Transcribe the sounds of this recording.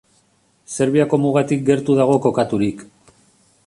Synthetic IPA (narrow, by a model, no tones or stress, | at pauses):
se̞ɾβiako̞muɣ̞at̪ik̚ɡe̞ɾt̪uðaɣ̞o̞ko̞kat̪uɾik